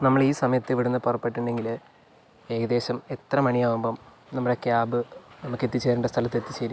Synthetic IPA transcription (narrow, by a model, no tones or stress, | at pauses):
nɐmːɐɭiːsɐmɐjɐt̪ːɨʋiɽunːɨpurɐpːeʈːuɳɖe̞ŋɡil | e̞ːɣɐðe̞ːɕɐmet̪rɐmɐɳiaːʋumbom | nɐmːɐɽokːeaːbɨnɐmukːe̞t̪ːit͡ɕːeːɾuɳɖɐst̪ʰɐlɐt̪ːe̞t̪ːit͡ɕeːɾu